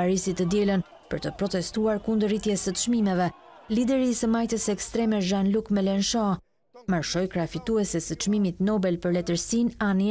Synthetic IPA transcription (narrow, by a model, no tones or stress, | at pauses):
aɾisit̪əd̪jɛlən | pəɾt̪əpɾɔt̪ɛst̪uaɾkund̪ərit̪jɛsət̪əʃmimɛvɛ | lid̪ɛɾisəmajt̪əsɛkst̪ɾɛmɛʒanlukmɛlɛnʃɔ̃ | maɾʃɔjkɾafit̪uɛsɛsət̪t͡ʃmimit̪nɔbɛlpəɾlɛt̪əɾsinani